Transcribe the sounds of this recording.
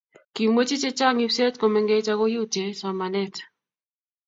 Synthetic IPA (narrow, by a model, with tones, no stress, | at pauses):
ki˨mwe˦t͡ʃi˦t͡ʃe˦t͡ʃa˦ŋi˦se˦tko˨mɛ˨ŋɡe˦t͡ʃa˦ko˦ju˦t͡ʃe˨sa˨ma˨nɛ˦t